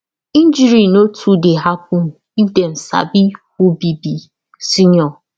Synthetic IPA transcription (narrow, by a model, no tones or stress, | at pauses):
ĩnd͡ʒiɾinotʰudeɦak̚um̩ | iden̩sa̰bihubibi | siɲɔ